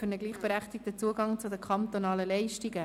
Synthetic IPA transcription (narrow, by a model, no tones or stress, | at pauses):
fʏɾnəɡliːχb̥eɾæχt̪ɪk̚tət͡suəɡɑŋt͡sudəkʰɑnt̪onɑːləlɛɪʃtiɡə